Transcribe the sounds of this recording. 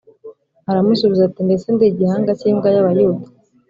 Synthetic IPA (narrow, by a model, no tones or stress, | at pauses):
aɾamusuβizatinbe̞t͡sendiɟihaːŋɡaciːŋɡajaβajuːda